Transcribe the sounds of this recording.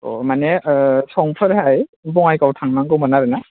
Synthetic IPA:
ɔ̰manesɔŋpʰɯɾhajbɔŋajkawtʰaŋnaŋkɯwmanaɾɯna

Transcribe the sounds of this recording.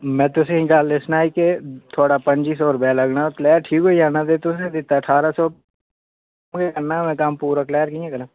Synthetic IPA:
mɛ̃ːt̪ʊsẽɦĩkaːlːesnaːiket̪ʰoːɽapəɲd͡ʒiːs̬ɔːɾʊpɛlɐɡnaklɛːɾʈʰiːkɦoiaːnat̪et̪ʊsẽd̪ɪt̪ːaəʈʰaːɾasɔː | mɡekɐɾnaɦɛmɛ̃ːkaːmpuːɾaklɛːəɾkĩẽkənã

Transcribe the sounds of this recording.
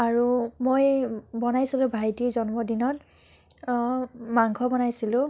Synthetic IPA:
aɹumojbɔnajsilʊ̃bʱajtizɔnmɔdinɔt̚ | maŋkʰɔbɔnajsilʊ̃

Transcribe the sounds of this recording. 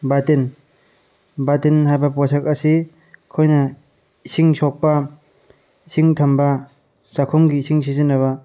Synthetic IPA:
batin | batinhajbɐpɔsak̚ɐsi | kʰɔjnɐ | isiŋsɔk̚pa | isʰiŋtʰɐmbɐ | sakʰɔŋɡiːsiŋsizinɐβɐ

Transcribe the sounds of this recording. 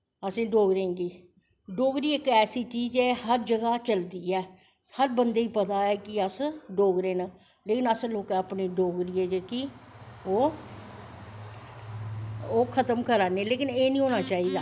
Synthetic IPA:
əsẽːɖoːɡɾẽːŋɡiː | ɖoːɡɾiːɪkɛːsiːt͡ʃiːd͡ʒɛːɦəɾd͡ʒəɡaːt͡ʃəld̪iːɛː | həɾbənd̪eːiːpət̪aːɛːkɪəsɖoːɡɾẽːna | leːkɪnəsloːkɛːəpneːɖoːɡɾiːeːd͡ʒəkioː | oːkʰət̪əmkəɾaːneːleːkɪneːnĩːɦoːnaːt͡ʃaːiːd̪aː

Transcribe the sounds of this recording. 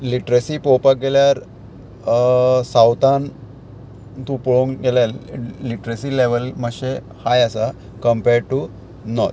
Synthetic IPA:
liʈɾəsipowpaɡeljaɾ | sawt̪an | t̪ũpɔɭuŋɡeljaliʈɾəsileʋəlməɕe | hajasa | kəmpeɖ̚ʈu | nɔ̰ɾt̪

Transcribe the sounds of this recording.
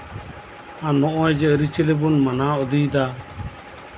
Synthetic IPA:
ãnɔʔɔjd͡ʒɛəɾit͡ʃəlebunmanaɔd̪ijd̪a

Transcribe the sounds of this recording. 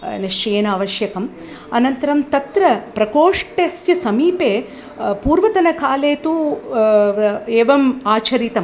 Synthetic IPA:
nɐʂɾeːnaːʋɐʃjɐkɐm | ɐ̰nɐnt̪ɐɾɐmt̪ɐt̪ɾɐpɾɐkoːʂʈesjɐsɐmiːpeː | puːɾʋɐt̪ɐnɐkaːleːt̪u | eːʋɐmaːt͡ʃʰɐɾit̪ɐm

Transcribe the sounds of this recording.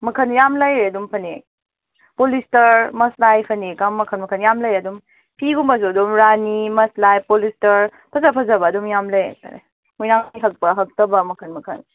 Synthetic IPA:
mɐkʰɐnjamlɐjɾɐdumpʰɐne | polistɐɾmɐslajpʰɐnekamːɐkʰɐnmɐkʰɐnjamlɐjɐdum | pʰiɡumbɐs̬uɐdumɾanimɐslajpolistɐɾpʰɐzɐpʰɐzɐbɐːdumjamlɐj̰ta̰ɾḛ | mujnaŋjɦɐk̚pɐɦɐk̚tɐbɐmɐkʰɐnmɐkʰɐ̰n

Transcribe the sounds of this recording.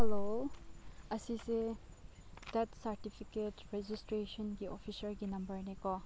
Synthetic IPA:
hɛlo | ɐsise | d̪ɛtsɐɾtipʰiketɾed͡ʒistɾeʃɔnɡiɔpʰisəɾɡinɐmbəɾnekɔ

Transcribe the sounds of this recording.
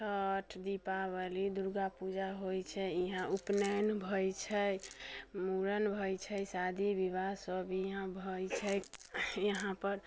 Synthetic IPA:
t͡ʃʰəʈʰd̪ipabəlid̪uɾɡapud͡ʒaɦojt͡ʃʰɛiɦãʔupnənbʱɔjt͡ʃʰɛ | muɾənbʱɔjt͡ʃʰɛjsad̪ʱibiβasəbiɦãbʱəjt͡ʃʰɛjəɦãpəɾ

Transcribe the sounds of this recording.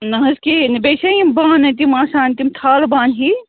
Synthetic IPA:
nɐɦɐskinɐbeːsɐibaːnɐt̪̬imaːsaːnt̪imt̪ʰaːlbaːnɦi

